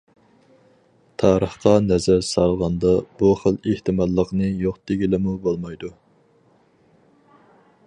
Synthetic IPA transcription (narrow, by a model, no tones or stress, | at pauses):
t̪ʰɑːɾəχqɑnɛzæɾsɑlˠʁɑnd̪ɑbuχəleht̪ʰɨmɑlˠːəqnɨjoqd̪̥eɡʲilɪmubolˠmɑjd̪u